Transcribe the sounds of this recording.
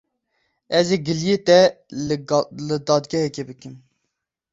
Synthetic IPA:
ɛzeːɡɨljeːt̪ɛ | lɨd̪ɑːd̪ɡʲɛhɛkʲebɨkɨm

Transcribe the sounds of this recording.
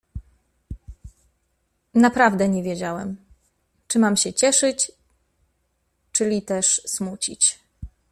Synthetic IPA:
napɾavd̪ɛɲɛvʲjed͡ʑawɛ̰m | t͡ʂɘmamɕɛt͡ɕɛʂɘt͡ɕ | t͡ʂɘlʲit̪ɛʂsmut͡ɕḭt͡ɕ

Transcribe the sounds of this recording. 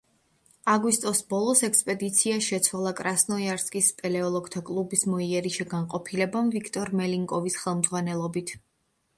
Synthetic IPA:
aɡwist̪ʼɔsbɔlˠɔsɛkspʼɛd̪it̪sʰiaʃɛt̪sʰwalˠakʼɾasnɔiaɾskʼispʼɛlɛɔlˠɔɡt̪ʰakʼlˠubismɔiaɾiʃɛɡanqʼɔpʰilɛbamvikʰt̪ʼɔɾmɛliŋkʼɔvisχɛlˠmd̪zʁwanɛlˠɔbit̪ʰ

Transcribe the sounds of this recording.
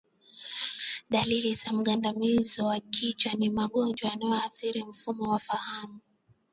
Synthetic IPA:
ɗalilizam̩ɠandamizɔwakʰit͡ʃwanimaɠɔnd͡ʒwaanajɔaθiɾim̩fumɔwafahamu

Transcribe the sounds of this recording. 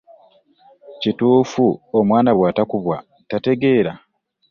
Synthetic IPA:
cituːfuomwaːnaβwaːtakuβwa | tate̞ɡe̞ːɾa

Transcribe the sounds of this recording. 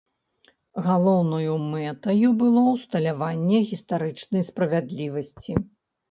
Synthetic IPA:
ɣalˠɔwnɐjumɛt̪ɐjubɨlˠɔwst̪ɐlʲavanʲːɛɣʲist̪aɾɨt͡ʂnɐjspɾɐvʲad̪lʲivɐsʲt͡sʲi

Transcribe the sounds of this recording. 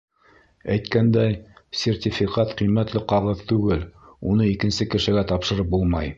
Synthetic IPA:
æjt̪kænd̪æjsʲertʲifʲikɑt̪qijmæt̪lɘqɑʁɤðt̪ʉɡɘlunɤikɘ̆nsɘkɘ̆ʃɘ̆ɡæt̪ɑpʃɤ̆ɾɤp̚bulˠmɑj

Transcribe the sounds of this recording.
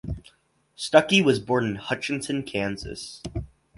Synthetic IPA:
stʌkiwʌzbɔɹnɨ̃nhʌt͡ʃɨ̃ntɨ̃nkʰæ̃nzɨ̰s

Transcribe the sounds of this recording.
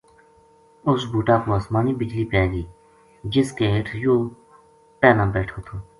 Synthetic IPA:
ʊsbuːʈaːkoːaːsmaːniːbɪd͡ʒliːpɛːɡiː | d͡ʒɪskeːɦɪʈʰjoː | pɛːlãːbɛːʈʰoːt̪ʰoː

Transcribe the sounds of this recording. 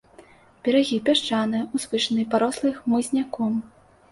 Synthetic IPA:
bʲɛɾaɣʲipʲaʂt͡ʂanɨjuzvɨʂɐnɨjpaɾɔslˠɨxmɨzʲnʲakɔm

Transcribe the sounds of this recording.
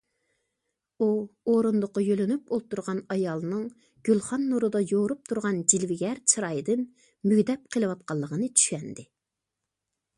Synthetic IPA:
uoɾund̪ʊqɑjølɪnyp̚olˠt̪uɾʁɑnɑjɑlˠnɨŋ | ɡ̥ʲylˠχɑnːuɾɨd̪ɑjoɾup̚t̪ʰuɾʁɑnd͡ʒilvɪɡʲɛɾt͡ʃʰɨɾɑjɨd̪ɪn | myɡʲd̪ɛp̚qʰəlˠɨwɑt̪̚qɑlˠːəʁənɨt͡ʃʰy̥ʃɛnd̪ɪ

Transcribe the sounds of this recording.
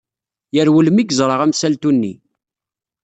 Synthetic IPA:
jəɾwələmiɡzˤɾˤəʁæmsælt̪unːḭ

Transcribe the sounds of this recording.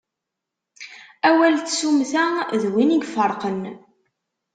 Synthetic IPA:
æwælθsumθæðwiniɡfəɾˤqən

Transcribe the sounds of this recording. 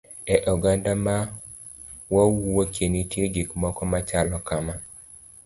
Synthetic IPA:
ɛʔɔɡandama | wawuwokenitjeɡikmɔkɔmat͡ʃalɔkama

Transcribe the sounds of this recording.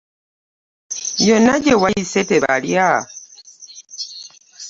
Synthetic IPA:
jonaɟewajiseteβa̰lja

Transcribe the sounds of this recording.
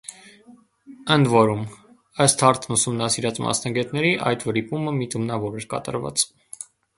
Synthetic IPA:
ənd̪vɔɾum | əst̪hɑɾt̪ʰnusumnɑsiɾɑt͡smɑ̰snɑɡɛt̪nɛɾiʔɑ̰jt̪vəɾipuməmit̪ʰumnɑvɔɾɛɾkɑ̰t̪ɑ̰ɾvɑ̰t͡s

